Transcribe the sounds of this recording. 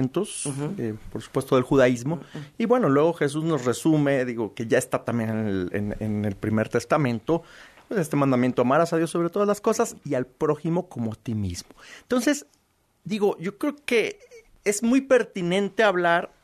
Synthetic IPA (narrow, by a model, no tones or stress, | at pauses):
nt̪osepo̞ɾsu̥pwest̪o̞ðe̞lxuðaizmo̞iβwe̞no̞lwe̞ɣo̞xe̞s̬uzno̞sre̞sume̞ðiɣo̞ke̞ʝaest̪at̪ambjeneneelḛnḛnelpɾime̞ɾt̪est̪amẽ̞nt̪o̞pwese̞st̪e̞mãnd̪amje̞nt̪o̞amaɾasaðjo̞sːo̞βɾet̪o̞ðazlasko̞sasialpɾo̞ximo̞ko̞moat̪imḭzmo̞ent̪o̞nse̞s | d̪iɣo̞ʝo̞kɾe̞oke | ezmujpe̞ɾt̪inẽ̞nt̪e̞aβlaɾ